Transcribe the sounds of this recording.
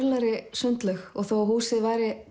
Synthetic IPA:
ɾlaɾɪsœnt̪lœxɔɣθowɦuːsɪðvaːjɾɪ

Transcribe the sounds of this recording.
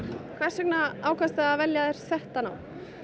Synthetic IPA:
kʰv̥aɾsɛknaaːwkʰast̪aaðvɛljaðɛɾ̥sɛht̪anaːw

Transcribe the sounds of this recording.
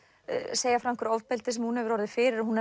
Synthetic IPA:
seːjafɾam̥kʏɾɔwvpɛlt̪ɪsɛmhunhɛvʏɾɔɾðɪfɪːɾɪɾɔɦun

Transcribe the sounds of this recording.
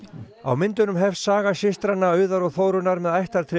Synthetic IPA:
a̰wmɪnt̪ʏnʏmɦɛfsːaːɣaɕɪst̪ɾanːaœːɥðaɾɔɣθoːwɾʏnaɾmɛðajht̪aɾ̥t̪ʰɾɪ

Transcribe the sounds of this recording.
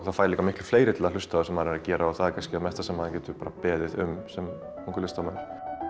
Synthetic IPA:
θaðfaːɾliːk̪amɪhklʏ̥fleːjɾɪt̪ɪlal̥ʏst̪aðasɛmːaɾɛɾacɛːɾaɔθaðɛkʰanscɪaðmɛht̪asɛmːaðacɛːt̪ʏpaːɾapɛːðɪðʏmsɛm | kʰɔŋkʏɾlɪst̪amaɾ

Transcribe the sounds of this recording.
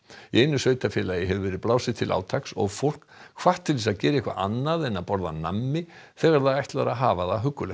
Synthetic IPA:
iejnʏsœːɥjt̪afjɛːlajɪɦɛvʏvɛːɾɪðplaːwsɪ̥t̪ʰɪlʔa̰ːwt̪ʰaksɔ̰ɣfowl̥kkʰv̥aht̪ʰːɪlvisaðcɛːɾɪihkva̰ʔa̰nːaðɛnːaðpɔɾða̰na̰mːɪθɛɣaɾθaðajht̪laɾaɦaːvaðaɦʏkːʏlɛ

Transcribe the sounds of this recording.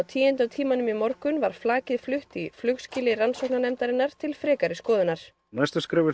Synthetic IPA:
wt̪ʰiːjɛnt̪awt̪ʰiːmanʏmimɔɾkʏnvaɾ̥flaːcɪðflʏht̪iflʏkscɪlɪransɔknanɛmt̪aɾɪnːaɾ̥t̪ʰɪlfɾɛːkaɾɪskɔːðɪnaɾ̥ | najst̪askɾɪːvɪ

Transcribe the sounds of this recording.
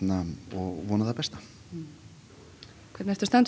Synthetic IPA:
naɔɣvɔːnaðapɛst̪ḁ | kʰvɛɾt̪nɛft̪ʏ̥st̪ant̪

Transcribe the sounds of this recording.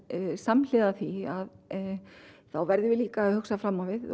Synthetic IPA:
saml̥ɪːðaθiað | θawvɛɾðɪvɪliːkaːðhʏksafɾamːavɪð

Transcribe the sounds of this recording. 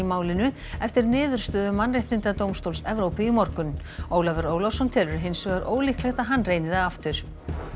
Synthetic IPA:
imaːwlɪnʏ | ɛft̪ɪɾnɪːðʏɾ̥st̪œːðʏmːanrejht̪nɪnt̪at̪owmst̪owlsɛvɾowpɪimɔɾkʏnoːwlavɛɾoːwlɔwsɔnt̪ʰɛːlʏɾɦejnsvɛːɣaɾʔo̰ːwlihklɛxt̪aðɦanːreːjnɪðaaft̪ʏɾ̥

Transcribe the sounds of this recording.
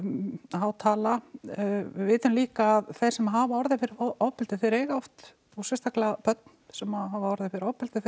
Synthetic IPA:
aːwt̪ʰaːla | vɪːt̪ʏmliːkaːðθejɾsɛmaɦaːvaɔɾðɪfɪɾɪʔɔpɪlt̪ɪθɛɾɛːɣaɔft̪ | usɛst̪aklapœt̪̚n̥sɛmaɦaːvaɔɾðɪfɪɾɔpɪlt̪ɪ

